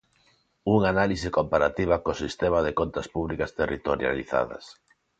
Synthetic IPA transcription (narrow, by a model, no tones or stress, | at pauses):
uŋanalisɪkompaɾat̪iβ̞ɐkosist̪emaðekont̪ɐspuβlikast̪erit̪oɾja̰liθa̰ðɐ̰s